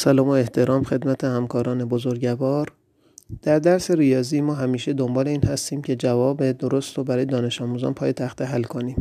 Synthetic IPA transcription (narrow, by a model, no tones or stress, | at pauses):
sælɒːmoe̞ht̪ʰe̞ɾɒːmxe̞d̪mæt̪ʰehæmkɒːɾɒːne̞bozoɾɟævɒːɾ | d̪̥æɾd̪æɾse̞ɾijɒːziːmɒːɦæmiːʃe̞d̪o̞mbɒːle̞iːnhæst̪iːmcʰe̞d͡ʒævɒːbed̪oɾost̪obæɾɒːjed̪ɒːne̞ʃɒːmuːzɒ̰ːnpʰɒːje̞t̪ʰæxt̪eɦælːkʰo̞niːm